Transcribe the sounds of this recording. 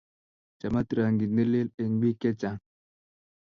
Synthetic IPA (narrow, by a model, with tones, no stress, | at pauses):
t͡ʃa˨ma˦t̪ɾa˨ŋɡi˨nə˦le˦le˨ŋbi˦ke˦t͡ʃa˨ŋ